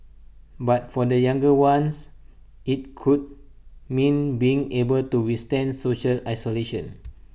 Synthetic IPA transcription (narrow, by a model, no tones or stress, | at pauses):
bat̚fɔdəjãŋɡəwãns | ʔit̚kʰud̚ | mĩnbiĩŋebəltuwistɛ̃ndsoʃəlajsoleʃə̃n